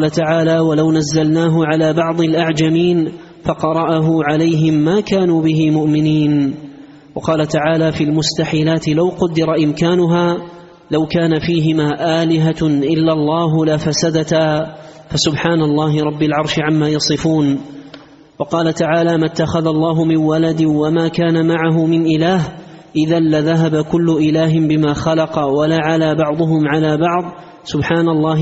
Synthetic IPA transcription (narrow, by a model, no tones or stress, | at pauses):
lat̪aʕaːlaːwalawnazːalnaːɦʊʕalaːbɑʕd̪ˤɪlʔaʕd͡ʒamiːn | fɑqɑɾˤɑʔaɦʊʕalajɦɪmːaːkaːnuːbɪɦɪmʊʔmɪniːn | wɑqɑːlat̪aʕaːlaːfilmʊst̪aħiːlaːt̪ɪlawqʊd̪ːɪɾˤɑʔɪmkaːnʊɦaː | lawkaːnafiːɦɪmaːʔaːlɪɦaʔɪlːalˤːɑːɦlafasad̪at̪aː | fasʊbħaːnalˤːɑːɦɪɾˤɑbːalʕɑɾˤʃɪʕamːaːjɑsˤɨfuːn | wɑqɑːlat̪aʕaːlaːmat̪ːaxaðalˤːɑːɦʊmɪnwalad̪ɪwamaːkaːnamaʕaɦʊmɪnʔɪlaːɦʔɪðanlaðaɦabakʊlːʊʔɪlaːɦɪmbɪmaːxɑlɑqɑwalaʕalaːbɑʕd̪ˤʊɦʊmʕalaːbɑʕd̪ˤ | sʊbħaːnalˤːɑːɦ